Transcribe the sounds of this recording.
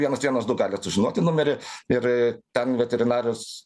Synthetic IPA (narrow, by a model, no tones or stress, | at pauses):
ʋʲiɛnɐsʋʲiɛnoːsd̪ʊɡɑːlʲɪɐt̪sʊʒʲɪnuɔt̪ʲɪnʊmʲɛɾʲɪɪrt̪ʲɛnʋʲɛt̪ʲɛɾʲɪnɑːɾʲʊs